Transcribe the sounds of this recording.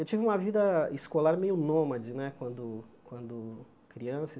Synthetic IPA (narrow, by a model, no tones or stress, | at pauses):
ewt͡ʃivɪũmɐvid̪ɐiskolaɾmejʊnõmɐd͡ʒɪnɛkwɐ̃nd̪ʊkwɐ̃nd̪ʊ | kɾiɐ̃sɐ